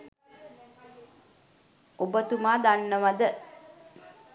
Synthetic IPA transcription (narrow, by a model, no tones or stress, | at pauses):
obət̪umaːd̪anːəʋad̪ə